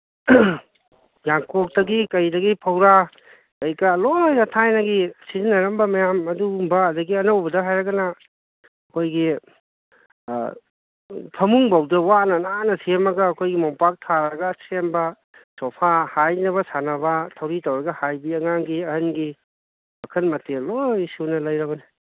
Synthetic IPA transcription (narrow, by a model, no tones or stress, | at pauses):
jaŋkʰok̚tɐɡikɐjdɐɡipʰɐwɾa | kɐjkɐlolojɾɐtʰajnɐɡisizinɐɾɐmbɐmɐjamɐdumbɐːdɐɡiɐnɐwbɐdɐɦajɾɐɡɐnɐ | ɐkʰojɡi | pʰɐmuŋbawdɐwanɐnanɐsʰemɐɡɐːkʰojɡimɔpak̚tʰaɾɐɡɐsembɐ | sɔpʰahajnɐβɐsanɐbɐtʰɐwɾitowɾɐɡɐhajbiɐŋaŋɡiɐhɐnɡi | ɐkʰɐnmɐtelojsiwnɐlɐjɾɐbɐnɐ